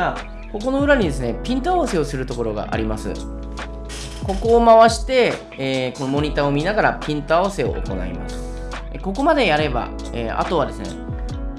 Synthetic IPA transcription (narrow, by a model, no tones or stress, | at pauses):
a | ko̞k̬o̞no̞ɯ̟ɾaɲ̟id̪e̞s̬ɨne̞pʲĩnt̪o̞aβase̞o̞sɨɾɯ̟t̪o̞ko̞ɾo̞ɡa̰ʔa̰ɾʲimasɨ̰ | ko̞ko̞ːmaβaɕi̥t̪e̞ː | ko̞no̞mo̞ɲ̟it̪ao̞mʲinaɡaɾapʲĩnt̪o̞aβ̞ase̞o̞̰o̰ko̞na̰ḭma̰sɨ̥ | eko̞ko̞mad̪e̞jaɾe̞ba̰ | ea̰t̪o̞βad̪e̞sɨne̞̰